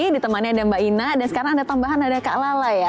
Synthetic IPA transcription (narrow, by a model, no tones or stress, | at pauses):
idit̪əmanɲadambainadansəkaɾaŋadat̪ambaɦanadaka̰ʔlalaja